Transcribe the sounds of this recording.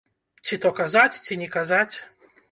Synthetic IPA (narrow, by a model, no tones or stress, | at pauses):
t͡sʲit̪ɔkazat͡sʲt͡sʲinʲɛkazat͡sʲ